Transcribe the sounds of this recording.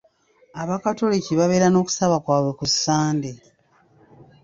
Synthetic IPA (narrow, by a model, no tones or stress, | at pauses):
aβakato̞liciβaβe̞ːɾano̞ːku̥saβakwaːβwe̞kusːaːnde